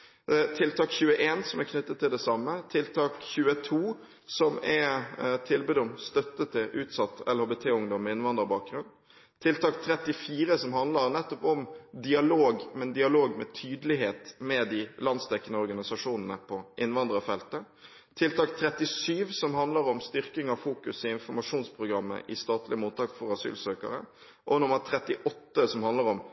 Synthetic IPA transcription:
t̪ʰɪlt̪ʰɑːkçʉːəʔeːnsɔmækʰnʏt̪ːət̪ʰːɪld̪ɛsɑmːət̪ʰɪlt̪ʰɑːkçʉːət̪ʰuː | sɔmɛt̪ʰɪlbʉːd̪ɔmst̪œt̪ːət̪ʰːɪlʉːt̪sɑt̪ːɛ̰lhoːbet̪ʰeːʊŋd̪ɔmːɛɪnʋɑnd̪əɾbɑːk̚ɡɾʉnː | t̪ʰɪlt̪ɑːkt̪ʰɾɛt̪ːɪfiːɾəsɔmɦɑnd̪ləɾnɛt̪ːɔpɔmd̪ɪɑloːɡmɛnd̪ɪɑloːɡmɛ̰t̪ʰyːd̪əlɪɦeːt̪mɛd̪ɪlɑnst̪ʰɛkːənəɔɾɡɑnɪsɑʂuːnnəpʰɔʔɪnːʋɑnd̪ɾəɔfɛlt̪ə | t̪ʰɪlt̪ɑːkt̪ʰɾɛt̪ɪsyːʋsɔmhɑnd̪ləɾɔmst̪ʏɾkɪŋɑfuːkʉsɪɪnfɔɾmɑʂuːnspʰɾʊɡɾʁɑmːə̰ʔɪst̪ɑːt̪lɪəmuːt̪ːɑːkfɔɾɑsy̰ːlsøːkə̰ɾə̰ | ʔɔnʊməɾt̪ʰɾɛt̪ɪʔɔt̪ːəsɔmhɑnd̪ləɾɔm

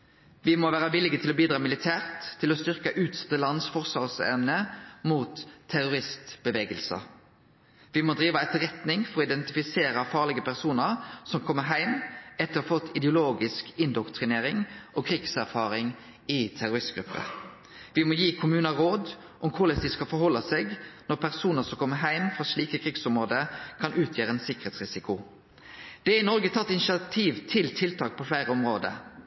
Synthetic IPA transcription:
ʋɪmoːʋæːɾəʋɪlɪɡət̪ʰɪlɔbiːd̪ɾɑːmɪlɪt̪ʰæːʁt̪ʰːɪlɔst̪ʏʁkəʔʉːt̪sɛ̥t̪əlɑnsfɔʁsɑʁsɛ̰mnəmuːt̪ʰːæʁʊʁɪst̪b̥əʋeːɡəlsɑ̰ | ʋɪmoːd̪ɾiːʋɑɛt̪ːəʁɛt̪nɪŋfɔʁɔɪd̪ɛnt̪ɪfɪseːɾəfɑːʁlɪɡəpʰæʁsuːnəɾsɔmkʰɔmːəɦæɪmɛt̪ːəɾɔfɔt̪ʰːɪd̪ɛʊloːɡɪskɪnd̪ɔkt̪ʁɪneːʁɪŋʔɔːkʰɾɪɡsæʁfɑːɾɪŋ | ɪt̪ʰæɾʊɾɪst̪ɡ̥ɾʉpːə̰ | ʋɪmɔːjiːkʰʊmʉːnɑɾoːd̪ | ʔɔmkʰʊɾlɛsd̪ɪskɑfɔɾhɔlːɑseːɡnɔpʰæʁsuːnəʁsɔmkʰɔmːəɦæɪmfʁɑsɭiːkəkʰʁɪɡsɔmʁoːd̪əkʰɑnʉːt̪ʰjøːɾəeːnsɪkəʁeːt̪sʁɪsɪkʊ | d̪̥ɛæɪnɔɾɡət̪ʰɑt̪ːɪnɪʃɪɑt̪ʰiːʋt̪ʰɪlt̪ʰɪlt̪ʰɑːk̚pʰɔflæɪʁəɔmʁoːd̪ə̰

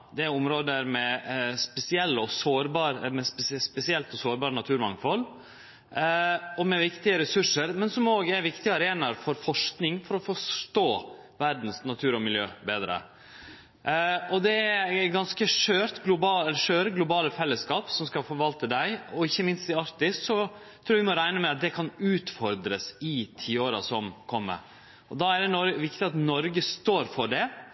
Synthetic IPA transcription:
d̪ɛæʊmɾoːd̪əɾmɛspɛsɪɛlːəɔsoːɾbɑːɾmɛsspɛsɪɛlt̪ɔsoːɾbɑːɾənɑt̪ʰʉːɾmɑŋfɔlː | ɔmɛʋɪkt̪ɪəɾɛsʉʂəɾmɛnsɔmoːɡəæʋɪkt̪ɪɑɾeːnɑɾfɔɾfɔʂknɪŋfɔɾɔfɔʂʈ̪oː | ʋæɾd̪n̩snɑt̪ʰʉːɾɔmɪljøːbeːd̪ɾə̰ | ɔd̪ɛæɡɑnskəʂøːɾt̪ɡlʊbɑːɛlːəʂøːɾəɡlʊbɑːləfɛlːəskɑːpsɔmskɑfɔɾʋɑlt̪əd̪æɪɔɪçːəmɪnst̪ɛɑɾt̪ɪssɔt̪ʰɾuːɾɑʋɪmɔɾæɪnəmɛɑt̪̚d̪ɛkʰɑnʉːt̪fɔɾd̪ɾəsɪt̪ʰiːoːɾɑ̰sɔmkʰɔmːə̰ | ɔd̪ɑæɖɛnɔɾʋɪkt̪ɪɑt̪nɔɾɡəst̪oːɾfɔɖɛ

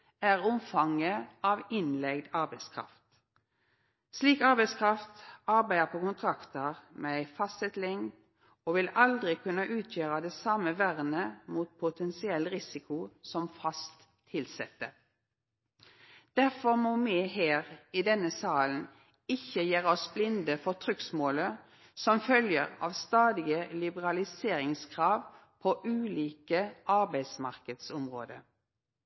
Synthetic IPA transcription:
æʁʊmfɑŋəɑːʋɪnlɛɡd̪ɑʁbæɪskʰʁɑ̰ft̪ | sliːkɑʁbæɪskʰʁɑft̪ɑʁbæɪəpʰoːkʊnt̪ʰʁɑkt̪əʁmeːæɪfɑst̪ɛt̪lɪŋ | oːʋɪlɑld̪ʁɪkʰʉnɑʔʉːt̪ʰjøːʁɑd̪ɛːsɑməʋæʁnəmuːt̪̚pʰʊt̪ʰɛnsɪɛlːʁɪsɪkʰʊsɔmfɑst̪ʰːɪlsɛt̪ːə | d̪̥æʁfɔʁmoːmɛɦeːʁiːd̪ɛnːəsɑːln̩ | ɪçəjeːʁɔsblɪnd̪əfɔʁt̪ʰʁʏksmoːlə | sɔmfœljəʁɑ̰ːʋst̪ɑːd̪ɪɡəlɪbəʁɑlɪseːʁɪŋskʰʁɑːʋpʰoʔʉːliːkəʔɑʁbæɪd̪smɑʁkəd̪sɔmʁoːd̪ə̰

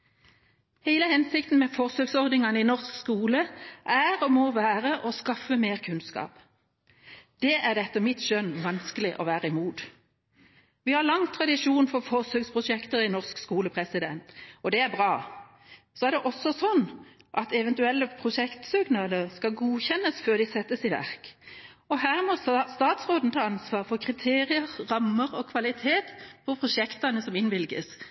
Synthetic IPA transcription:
heɪləhɛnsɪkt̪n̩mɛfɔʁsøːɡsɔʁd̪nɪŋɑnəɪnɔʁskskuːləʔæɾoːmɔʋæːʁəʔɔskɑfəmeːʁkʰʉnskɑ̰ːp | d̪̥ɛːʔæʁd̪ɛt̪ːəmɪt̪ʃœnʋɑnskəlɪʔɔʋæːʁəɪmuːd̪ | ʋɪhɑʁlɑŋt̪ʰʁɑd̪ɪʃuːnfɔfɔʁsøːɡspʰʁʊʃɛkt̪əʁɪnɔʁskskuːləpʰʁɛsɪd̪ɛnt̪ɔd̪ɛæʁbʁɑː | sɔæʁɾd̪ɛʔɔsːɔsɔnːʔɑt̪ɛʋɛnt̪ʉɛlːəpʰɾʊʃɛkt̪sʏɡnɑːləʁskɑlɡuːçɛnːəsføːʁd̪ɪsɛt̪ːəsɪʋæ̰ʁk | ɔɦæːʁmɔst̪ɑːt̪sʁoːd̪n̩t̪ʰɑːɑnsʋɑːʁfɔʁkʰʁɪt̪ʰeːɾɪəʁʁɑmːəʁɔkʰʋɑlɪt̪ʰeːt̪pʰɔpʰʁʊʂɛkt̪ɑnəsɔmɪnʋɪlɡəs

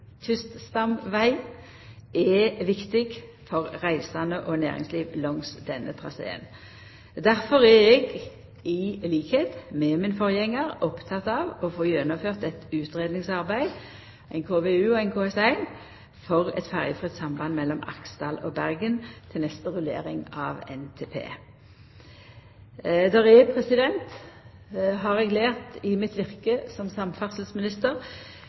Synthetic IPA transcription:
t̪ʰʏst̪st̪ɑmʋæɪ | ɛʋɪkt̪ɪɡfɔʁʁæɪsɑnəʔɔnæ̰ːʁɪ̰ŋsliːʋlɔŋsd̪ɛnːət̪ʰʁɑ̰sḛːə̰n | d̪æʁfɔʁæɛɡ | ɪliːkheːt̪mɛmɪnfɔʁjɛŋːəʁɔpt̪ʰɑt̪ɑːʋɔfoːjɛnɔføːʁt̪ɛt̪ʉːt̪ʁeːd̪nɪŋsɑʁbæɪd̪ | æɪnkʰoːʋeʉːɔæɪnkʰoːɛsæɪn | fɔʁɛ̰t̪fæʁjəfʁɪt̪sɑmbɑnmɛlːɔmɑ̰ksd̪ɑ̰ːlɔ̰bæʁɡənt̪ʰɪlnɛst̪əʁʉlḛːʁɪŋɑ̰ːʋɛ̰nt̪ʰeːpʰḛː | d̪ɛʁɛpʰʁɛsɪd̪ɛnt̪ | ɦɑʁɛɡleːʁt̪ɪmɪt̪ʋɪʁkəsɔmsɑmfæʁsl̩smɪnɪst̪əʁ

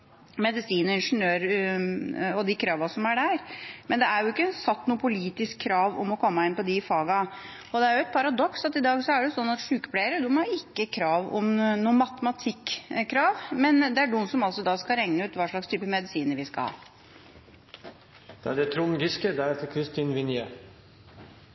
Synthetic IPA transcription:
mɛd̪ɪsiːnəɾɪnʂənøːɾə | ɔd̪ɪkʰɾɑːʋɑsɔmæɖæɾmɛnd̪ɛæɾjʊɪkːənsɑt̪ːnuːəpʰʊliːt̪ɪskʰːɾɑːʋɔ̰mɔkʰɔmːəɪnpɔd̪ɪfɑːɡɑ | ɔd̪ɛæɾjʊɛt̪̚pʰɑɾɑd̪ɔksɑt̪ɪd̪ɑːɡsɔæɖɛjʊsɔnːɑt̪ʂʉːkə̥pleɪəɾəd̪ʊmhɑɾɪkːəkʰɾɑːʋɔ̰mnuːəmɑt̪əmɑt̪ʰɪkːkʰːɾɑːʋmɛnd̪ɛæɖuːnsɔmɑlsɔd̪ɑskɑɾɛŋnəʉːt̪ʋɑːʂɭɑkst̪ʰyːpəmɛd̪ɪsiːnəɾʋɪskɑ̰hɑ̰ː | d̪̥ɛæd̪ɛt̪ʰɾuːnɡɪskəd̪æɾɛt̪əkʰɾɪst̪ʰiːnʋɪnje

